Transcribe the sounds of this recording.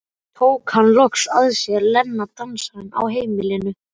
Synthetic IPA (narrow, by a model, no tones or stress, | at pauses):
t̪ʰoːwkhanlɔksaðsjɛɾlɛnːat̪anshana̰wɦeːjmɪlɪnʏ